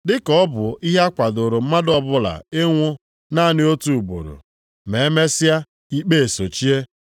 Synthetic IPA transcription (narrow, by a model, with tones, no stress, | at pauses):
dɪ˦kɔ˦ɔ˦bʊ˨i˦ɦe˦a˦kʷa˨dʊ˨ɾo˨m̩˦ma˦dɔ˦bʊ˦la̰˨e˦ŋʷʊ˦ | na˦˨nɪ˦o˦tu˨u˨bo̰˨ɾo̰˨ | me˨e˦me˦sɪ˦a˦ | i˦k͡pe˦e˨so˨t͡ʃi˦e˦